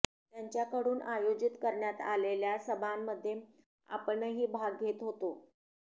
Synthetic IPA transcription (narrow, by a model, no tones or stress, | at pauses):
t̪jaɲt͡ɕjakəɽuːnʔajod͡ʑit̪kəɾɳjat̪a̰leljasəbʱamːəd̪ʱːje | a̰pəɳəɦiːbʱaɡɡʱet̪ɦot̪o